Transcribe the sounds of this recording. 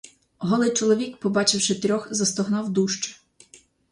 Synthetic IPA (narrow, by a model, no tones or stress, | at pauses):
ɦɔlˠɪt͡ʃɔlˠɔʋʲikpɔbɑt͡ʃɪwʃɪt̪ɾʲɔxzɐst̪ɔɦnɑwd̪uʃt͡ʃɛ̥